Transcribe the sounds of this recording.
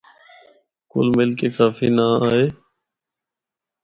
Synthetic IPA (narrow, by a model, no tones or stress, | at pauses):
kʊ̰lmɪlkeːkaːfiːnaːaːɦeː